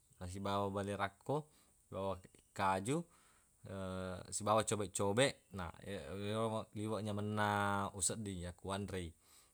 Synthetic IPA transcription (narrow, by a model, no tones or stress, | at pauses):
nas̬ibawabaliɾakːɔ | ibawakad͡ʒu | sibawat͡ʃɔbɛʔt͡ʃɔbɛʔna̰iwaliwaʔɲamənːausət̚dijakuanrei